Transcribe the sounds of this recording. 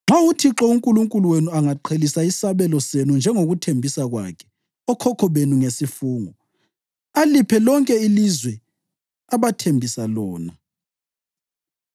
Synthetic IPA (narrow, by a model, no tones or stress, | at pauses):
ŋ͡ǁawutʰiǁɔuŋkʼuluŋkʼuluwenuaŋaǃʰelisaisaβɛlɔsenund͡ʒʱɛŋoɣutʰembʱisaɣwa̰kʰɛ̥ | ɔkʰɔkʰɔβenuŋesifuːŋɔ | alipʰɛlɔŋkʼɛilizwɛ | aβatʰembʱisalɔːna